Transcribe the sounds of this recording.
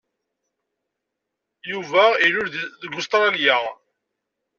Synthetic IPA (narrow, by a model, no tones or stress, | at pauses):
juvæiɾʊɾðɡʊst̪ɾˤɑlja